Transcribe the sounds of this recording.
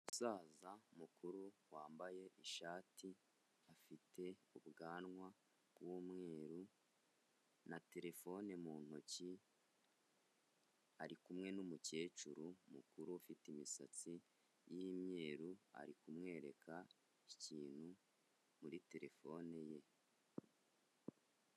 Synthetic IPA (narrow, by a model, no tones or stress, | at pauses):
usaːzamukuɾuwaːmbaje̞ʔiʃaːtʰi | afitʰe̞uβɡaːnŋwa | bɡwumŋe̞ːɾu | nate̞ɾe̞fo̞nemuːn̥oci | aɾikumŋe̞numuce̞ːt͡ʃuɾumukuɾuafitimisa̰t͡si | jimɲe̞ːɾua̰ɾikumŋe̞ːɾe̞kʰa | iciːn̥hu | muɾite̞ɾe̞fo̞neje̞